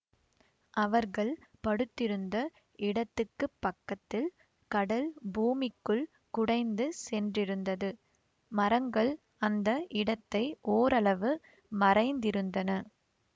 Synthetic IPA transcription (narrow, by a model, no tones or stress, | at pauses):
ʔɐʋɐɾɣɐɭpɐɽɯt̪ːɪɾɯnd̪ɐ | ɪɽɐt̪ːɯkːɯpːɐkːɐt̪ːɪl | kɐɽɐlbuːmɪkːɯɭ | kʊɽɐɪnd̪ɯsɛndrɪɾɯnd̪ɐðɯ | mɐɾɐŋɡɐɭ | ɐnd̪ɐʔɪɽɐt̪ːɐɪʔoːɾɐɭɐʋɯ | mɐrɐɪnd̪ɪɾɯnd̪ɐnɐ